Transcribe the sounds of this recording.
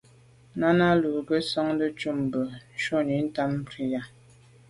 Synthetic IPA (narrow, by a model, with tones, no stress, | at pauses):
na˦na˦lu˨ɡə˦sɔ˦ŋn˦də˦t͡ʃu˦m̩˨bə˨n̩˨ʃo˦ni˨˦n̩˦ta˦m̩˦pɾi˦ja˨